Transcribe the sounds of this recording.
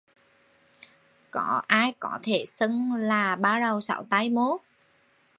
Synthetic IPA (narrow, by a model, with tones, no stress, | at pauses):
kɔ˧˩˦ʔaː˧jkɔ˧˦t̪ʰe˧˩sə˧ŋlaː˨˩ɓaː˧wɗə˨˩wsa̰˧˩wt̪a˧jmo˨˦